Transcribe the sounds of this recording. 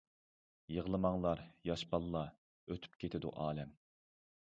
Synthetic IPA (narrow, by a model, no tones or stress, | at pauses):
jəʁlˠɨmɑŋlˠɑɾjɑʃpɑlˠːɑ | øt̪ʰy̥pkʲʰet̪ʰɪd̪ṵʔɑːlɛm